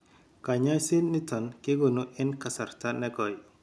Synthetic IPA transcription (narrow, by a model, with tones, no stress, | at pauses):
ka˨ɲa˦si˦nːi˦tɔ˨nkɪ˦ɡɔ˨nu˦ʔɪ˦nka˨sa˨ɾta˦nɛ˦ɡɔ˨j